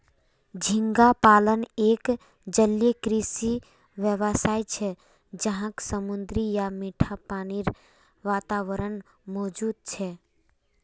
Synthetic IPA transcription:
d͡ʒʱɪ̃ŋɡapaːləneːk | d͡ʒəljekɾisi | ʋjəʋəsaːit͡ʃʰɛ | d͡ʒəɦãksəmʊ̃nd̪ɾijamiːʈʰapaːniɾ | ʋaːt̪aːʋəɾən | mɔːd͡ʒuːd̪̚t͡ʃʰɛ

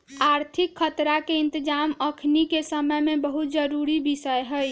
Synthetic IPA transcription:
aɾt̪ʰikʰːət̪ɾakeɪnt̪əd͡ʒaməkʰnikesəməjmebəɦut̪̚d͡ʒəɾuɾibisəjɦəj

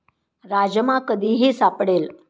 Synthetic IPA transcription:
ɾad͡ʑəmakəd̪iːɦesapɽel

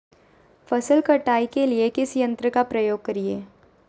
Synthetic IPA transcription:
fɐsəlkɐʈaːikeliekɪsjə̃nt̪ɾəkapɾɐjoːɡ̚kɐɾieː

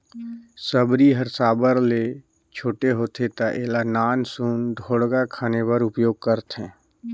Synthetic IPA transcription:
səbɾiɦəɾsaːbəɾle | t͡ʃʰoːʈeɦoːt̪ʰet̪aʔeːlanaːnsund̪ʱoːɽɡakʰaːnepəɾʊpjoːɡ̚kəɾt̪ɦɛ̃ː

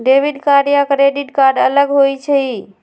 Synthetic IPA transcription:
ɖebiɖkaɾijakɾeɖiʈkaɾɖələɡɦojt͡ʃʰəi

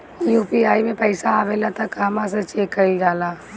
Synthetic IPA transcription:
juːpiaːimẽpɛɪsaːʋeːlat̪ʰakɦɐmãset͡ʃeːkːɐɪd͡ʒaːlaː

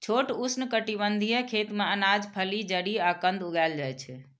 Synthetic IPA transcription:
t͡ʃʰoʈusnəkəʈiβənd̪ʱijə̃kʰet̪mẽənad͡ʒpʰəlid͡ʒəɽiakənd̪ʱuɡald͡ʒajt͡ʃʰɛ

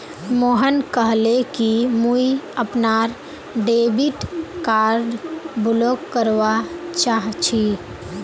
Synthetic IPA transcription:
moːɦənkəɦlekimuiəpnaɾ | ɖeːbiʈkaːɾɖbʊloːkːəɾʋat͡ʃaːɦt͡ʃʰi

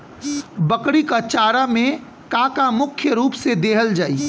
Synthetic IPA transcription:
bəkɽikat͡ʃaːɾamẽ | kaːkamʊkʰjəɾuːpsed̪eːɦəld͡ʒaːi

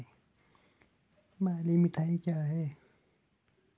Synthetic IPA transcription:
maːlimɪʈʰaːikjaːɦɛː

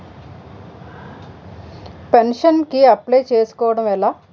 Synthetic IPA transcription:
penʂɐnkiɐplɐjt͡ʃe̞ːsu̥kɔːʋɐɽɐmɛlaː

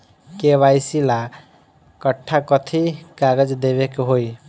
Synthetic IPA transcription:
keβajsila | kʌʈʰːakʌt̪ʰikaɡʌd͡zd̪eβekɦoj

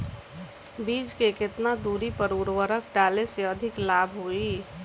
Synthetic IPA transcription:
biːd͡ʒkekɪt̪nad̪uːɾipəɾuːɾwəɾəkɖaːleseəd̪ʱɪklaːbʱɦoiː

